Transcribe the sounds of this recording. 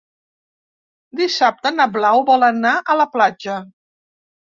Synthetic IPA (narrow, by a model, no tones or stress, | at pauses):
d̪isap̚t̪ənəβlawβɔlənaʔələplad͡ʒə